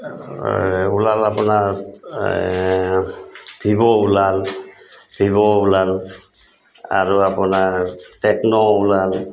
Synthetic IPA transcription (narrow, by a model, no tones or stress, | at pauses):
ulalapʊnaɹ | b̥ʱibɔulal | b̥ʱiβɔulal | a̰ɹuapʊnaɹtɛknɔulal